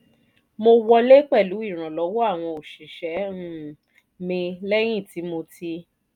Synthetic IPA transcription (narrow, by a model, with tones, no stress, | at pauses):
mo˧wɔ˧le˦k͡pɛ˦˨lu˨˦i˦˨ɾ̃ã˨lɔ˨˦wɔ˦a˦˨w̃ɔ̃˧o˨ʃi˨ʃɛ˨˦ũ˦˨ | mĩ˧lɛ˦j̃ĩ˦˨ti˨˦mo˧ti˧